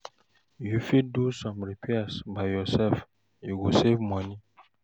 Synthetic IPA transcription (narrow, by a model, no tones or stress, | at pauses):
jufiddusɔ̃mɹikʰwɛstbajjɔsɛlf | juɡosevmɔ̃nĩ